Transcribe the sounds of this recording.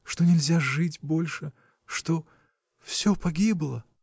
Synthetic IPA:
ʂt̪onʲɪlʲzʲaʐɨtʲbo̞lʲʂɨ | ʂt̪o | fsʲɵpɐɡʲiblˠə

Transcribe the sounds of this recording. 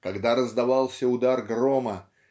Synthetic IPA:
kɐɡd̪aɾəzd̪ɐvɑlˠsʲəʊd̪arɡromə

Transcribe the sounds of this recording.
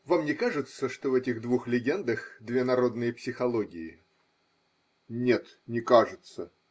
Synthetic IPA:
vamnʲɪkaʐɨt̪səʂt̪ovɛtʲɪɣd̪vuxlʲɪɡʲe̞nd̪əxd̪vʲenɐɾo̞d̪nɨjəpsʲɪxɐlˠoɡʲɪɪ | nʲet̪nʲɪkaʐɨt̪sə

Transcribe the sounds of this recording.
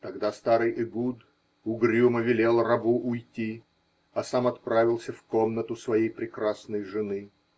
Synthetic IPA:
t̪ɐɡd̪ast̪aɾɨjʔɪɡud̪ | ʊɡɾʲuməvʲɪlʲe̞lˠrɐbuʔʊjtʲi | ɐsamɐt̪pɾavʲɪlˠsʲəfko̞mnət̪ʊsvɐjejpɾʲɪkɾasnəjʐɨnɨ

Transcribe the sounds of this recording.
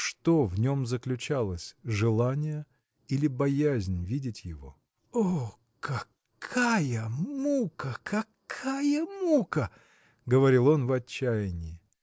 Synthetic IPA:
ʂt̪o̞vnʲo̞mzəklʲʉt͡ɕalˠəsʲʐɨlˠanʲɪjə | ilʲɪbɐjæzʲnʲvʲidʲɪtʲjɪvo̞̰ | o | kɐ | kʰajəmukəkʰɐkʰajəmukə | ɡəvɐɾʲilˠo̞nvɐt͡ɕːæjɪnʲɪɪ

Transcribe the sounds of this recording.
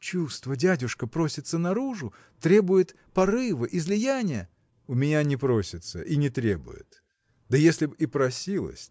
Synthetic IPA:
t͡ɕust̪vədʲædʲʊʂkəpɾo̞sʲɪt̪sənɐɾuʐʊ | t̪ɾʲe̞bʊjɪt̪ | pɐrɨvɨʔɪzlʲɪjanʲɪjə | ʊmʲɪnʲanʲɪpɾo̞sʲɪt̪sə̰ʔinʲɪt̪ɾʲebʊ̰jɪ̰t̪ | d̪əjesʲlʲɪbipɾɐsʲilˠə̰sʲ

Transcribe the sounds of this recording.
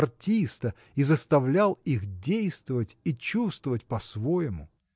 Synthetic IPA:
rtʲist̪ə | izəst̪ɐvlʲalˠixdʲejst̪vəvətʲit͡ɕust̪vəvət̚ʲpɐsvojɪmʊ̰

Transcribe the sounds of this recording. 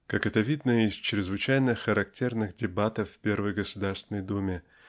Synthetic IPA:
kakɛt̪əvʲid̪nəɪst͡ɕɾʲɪzvɨt͡ɕæjnɨxəɾɐk̚tʲe̞rnɨxdʲɪbat̪əfːʲpʲe̞rvəjɡəsʊd̪arst̪vʲɪnəjd̪umʲɪ

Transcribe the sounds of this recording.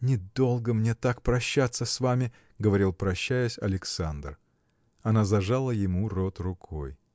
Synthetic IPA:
nʲɪd̪o̞lˠɡəmnʲe̞t̪ak̚pɾɐɕːat̪səsvamʲɪ | ɡəvɐɾʲilˠpɾɐɕːæjʊsʲɐ̰lʲɪksand̪r | ɐnazɐʐalˠəjɪmurot̪rʊkʰo̞̰j

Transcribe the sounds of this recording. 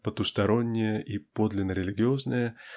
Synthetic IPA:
pət̪ʊst̪ɐɾo̞nʲːɪjəʔipo̞d̪lʲɪnːəɾʲɪlʲɪɡʲɪo̞znəjə

